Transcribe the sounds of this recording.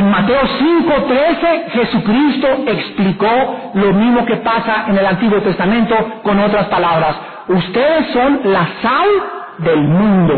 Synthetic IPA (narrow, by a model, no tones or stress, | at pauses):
enmat̪e̞osiŋko̞t̪ɾese̞xe̞sukɾist̪o̞ekspliko̞lo̞mĩzmo̞ke̞pasaʔene̞lant̪iɣwo̞t̪e̞st̪amẽnt̪o̞ko̞no̞t̪ɾaspalaβɾas | ust̪e̞ðe̞sːo̞nlasal | ðe̞lmũnd̪o̞